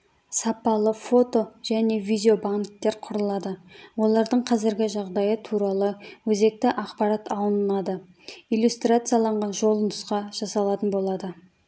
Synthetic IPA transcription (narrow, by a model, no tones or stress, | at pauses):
sɑpɑlˠəfo̞t̪o̞ʒ̥æne̞vijd̪ʲeo̞baŋt̪ːe̞ɾqʰʊɾəlˠɑd̪əwo̞lˠɑɾd̪əɴqʰɑzɪɾɡʲɪʒɑʁd̪ɑjət̪ʰuɾɑlˠəwɵze̞k̚t̪ɪʔɑqpɑɾat̪ʰɑlˠənəlˠɑd̪ə | ijlʲjust̪rat̪sɨjalˠɑɴʁɑnʒo̞lˠənəsqɑʒ̥ɑsɑlˠɑt̪ənbo̞lˠɑd̪ə